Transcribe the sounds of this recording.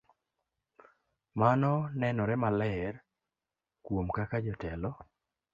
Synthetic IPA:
manɔnɛnɔɾɛmalɛɛr | kwomkakad͡ʒɔtɛlɔ

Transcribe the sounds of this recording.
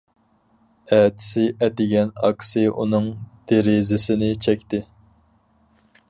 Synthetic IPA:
ɛːt̪ʰɪ̥sɪʔɛd̪ɪɡʲɛnɑ̰ksɨʔṵnɨŋd̪̥eɾɪzɪsɪnɪt͡ʃʰɛkʲt̪ɪ

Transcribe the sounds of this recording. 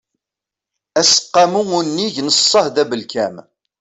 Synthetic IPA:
æsə̥qːɑmuʊnːiʝnəsˤːəhðæbəlkæm

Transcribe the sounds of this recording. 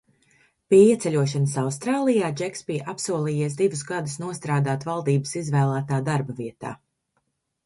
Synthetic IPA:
piɛiɛt̪sɛlʲuɔʃ̬anəsawst̪ɾaːlˠijaːd͡ʒɛkspiːʔapsuɔlˠiːjiɛs̬d̪ivusɡad̪usnuɔst̪ɾaːd̪aːt̪valˠd̪iːbəsizvæːlˠaːt̪aːd̪aɾbɐviɛt̪a̰ː

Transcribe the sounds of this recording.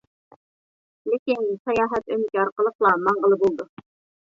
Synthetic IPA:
lækinsæjɑɦæt̪ɵmɘ̆kɑɾqɤ̆lˠɤqlˠɑmɑɴɢɤ̆lˠɤbulˠd̪ɤ

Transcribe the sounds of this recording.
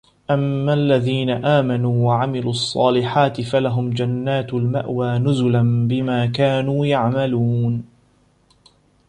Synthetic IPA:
ʔamːaːlːaðiːnaʔaːmanuːwaʕamɪluːʔɑsˤːɑ̰ːlɪħaːt̪ɪfalaɦʊmd͡ʒanːaːt̪ʊlma̰ʔwaːnʊzʊlanbɪmaːkaːnuːjaʕmaluːn

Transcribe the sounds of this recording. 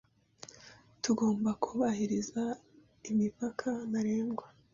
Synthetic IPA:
tuɡo̞ːmbakʰuβahiɾiza | imipakʰanaɾeːŋɡwa

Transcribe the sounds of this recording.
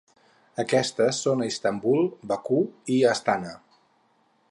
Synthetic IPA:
əkɛst̪əsːonəist̪əmbulˠbəkuiəst̪anə

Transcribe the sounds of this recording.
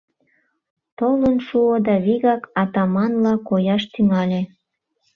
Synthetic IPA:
t̪olənʃuod̪ɑβiɣɑkɑt̪ɑmɑnlɑkojɑʃt̪yŋɑlʲe

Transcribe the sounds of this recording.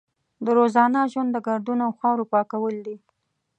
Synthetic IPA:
d̪əɾozɑnəʒwand̪ːəɡaɾd̪unoawxɑwɾopɑkawəld̪i

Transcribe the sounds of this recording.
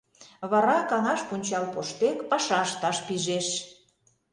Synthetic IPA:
βɑɾɑkɑnɑʃpunʲt͡ɕɑlpoʃt̪ekpɑʃɑʃt̪ɑʃpiʒeʃ

